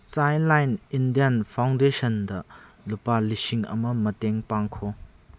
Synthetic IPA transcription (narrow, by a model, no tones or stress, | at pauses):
sajnlajnindijanpʰawndesɐndɐ | lupalisiŋɐ̰mɐmɐteŋpaŋkʰo